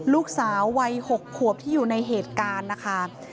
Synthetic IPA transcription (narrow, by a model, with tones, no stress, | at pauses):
luː˥˩k̚saː˩˦wːa˧jho˨˩kʰːu˨˩əp̚t̪ʰiː˥˩juː˨˩na˧jɦeː˨˩t̪̚kaː˧nːa˦˥kʰa˦˥